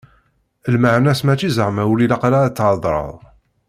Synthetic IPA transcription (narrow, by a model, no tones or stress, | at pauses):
əlməʕnæsmæt͡ʃːizəʁmæwulilɑqlat͡sːʕɑd̪ˤɾˤə̰ðˤ